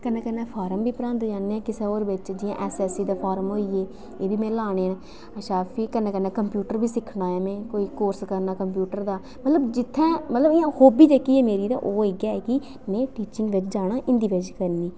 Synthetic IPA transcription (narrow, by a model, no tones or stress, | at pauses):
kənːẽːkənːãːpʰaːɾəmbiːpəɾãːnd̪d͡ʒaːneːɛːkɪsẽːoːɾʋɪt͡ʃd͡ʒɪjã̰ːʔɛːsɛːsiːd̪aːpʰaːɾəmɦoːiːeː | eːbiːmɛ̃ːlaːɽ̃eːn | əʃaːpʰiːkənːẽːkənːɛ̃ːkəmpjuːʈəɾbiːsɪkʰɽaːjaːmɛ̃ːkoːiːkoːɾskəɾnaːkəmpjuːʈəɾd̪aː | mət̪ləbd͡ʒɪt̪ʰːãːmət̪ləbɪjãːhoːbiːd͡ʒeːkiːɛːmeːɾiːd̪a̰ːʔoːeɡjaːɛːkɪ | nɛ̃ːʈiːt͡ʃɪŋɡʋɪt͡ʃd͡ʒaːɽ̃aːʔɪ̃nd̪iːʋed͡ʒkəɾniː